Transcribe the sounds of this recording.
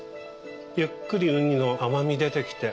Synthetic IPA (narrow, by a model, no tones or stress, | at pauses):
jɯ̟kːɯɾʲiɯ̟ɲ̟ino̞ʔamamʲid̪e̞t̪e̞kʲi̥t̪e̞